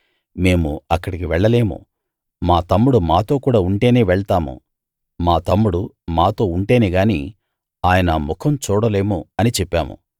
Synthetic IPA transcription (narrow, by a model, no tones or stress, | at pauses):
me̞ːmuɐkːɐɽikiʋɛɭːɐle̞ːmṵ | maːt̪ɐmːuɽumaːt̪o̞ːkuːɽaːuɳʈe̞ːne̞ːʋɛɭt̪aːmṵ | maːt̪ɐmːuɽu | maːt̪o̞ːuɳʈe̞ːneːɡaːnḭ | aːjɐnɐmukʰɐmt͡ʃuːɽɐle̞ːmuɐnit͡ʃɛpːaːmṵ